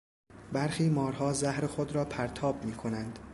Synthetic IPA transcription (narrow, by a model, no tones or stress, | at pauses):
bæɾxiːmɒːɾɦɒːzæhɾexod̪ɾɒːpʰæɾt̪ʰɒːbmiːkʰo̞nænd̪̥